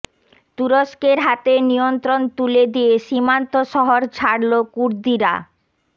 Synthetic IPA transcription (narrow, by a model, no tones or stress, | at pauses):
t̪uɾoʃkeɾɦat̪enijont̪ɾont̪uled̪ijeʃimant̪oʃɔɦoɾt͡ɕʰaɽlokuɾd̪iɾa̰